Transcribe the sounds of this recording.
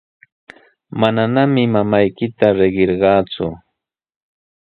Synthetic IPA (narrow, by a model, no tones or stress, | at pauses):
mananamɪmamajkɪt̪aɾeɢeɾɢɑːt͡sʊ̰